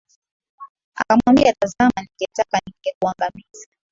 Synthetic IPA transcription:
a̰kamwambiatazamaniɡɛtakaniŋɡɛkuaŋɡamiza

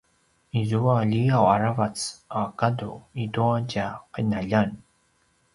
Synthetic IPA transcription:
izuaʎiawaɹavat͡sakaduiduaɟaqənaʎan

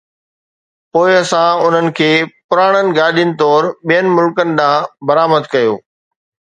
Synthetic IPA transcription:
poːɪɐsãʊn̤ənɪ̆kʰeːpʊɾaːɽ̃ənɪ̆ɡaːɗijənɪ̆t̪ɔːɾɓijənɪ̆mʊlkənɪ̆d̪ãːbɐɾaːməd̪kɐjoː

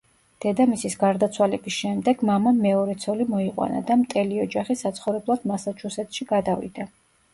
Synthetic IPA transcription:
d̪̥ɛd̪amisisɡaɾd̪at̪sʰwalɛbisʃɛmd̪ɛɡmamamːɛɔɾɛt̪sʰɔlimɔiqʼwa̰na̰d̪amt̪ʼɛliɔd͡ʒaχisat̪sʰχɔvɾɛblˠad̪masat͡ʃʰusɛt̪ʰʃiɡad̪avḭd̪̥a

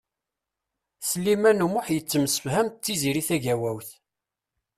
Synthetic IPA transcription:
səlːimænumʊħjət͡sːəmsə̥fhæmt̪ːiziɾiθæʝæwæwθ

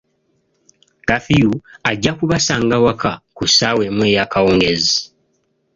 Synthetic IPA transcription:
kafijuaɟːakuβasaːŋɡawakakusawe̞mwe̞ːjakawoːŋɡezi

